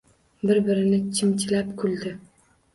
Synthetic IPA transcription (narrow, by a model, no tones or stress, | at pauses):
bɪɾbɪɾɪnɪt͡ʃʰɪmt͡ʃʰɪlapkʰʊlˠd̪ɪ